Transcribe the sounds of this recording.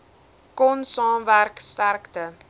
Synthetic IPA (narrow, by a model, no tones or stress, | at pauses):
kɔnsɑːmværkstærktə